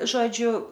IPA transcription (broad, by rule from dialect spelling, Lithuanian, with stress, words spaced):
ˈʒoːd͡ʒʲʊ